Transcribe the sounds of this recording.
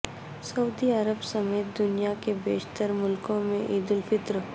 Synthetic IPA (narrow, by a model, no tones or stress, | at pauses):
sɐʊd̪iəɾəbsəmeːt̪̚d̪ʊnijakebeːʃt̪əɾmʊlkõmẽʔiːd̪ɪlfɪt̪ɾ